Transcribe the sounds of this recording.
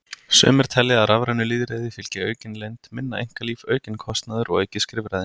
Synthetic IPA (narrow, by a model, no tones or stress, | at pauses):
sœ̰ːmɛɾ̥t̪ʰɛlːɪaɾavɾanʏliːðɾeːjðɪfɪl̥cɪœːɥcɪnlejnt̪mɪnːaejŋ̥kaliːfœːɥcɪnkʰɔst̪naðʏɾɔɣejcɪskɾɪːvɾaðɪ